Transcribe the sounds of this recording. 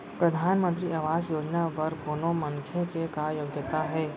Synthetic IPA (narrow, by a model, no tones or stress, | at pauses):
pɾɐd̪ʱaːnmə̃nt̪ɾiʔaʋaːzjoːd͡ʒnaʋɐɾpoːnomɐ̃ŋkʰekekajoɡjət̪aɦɛː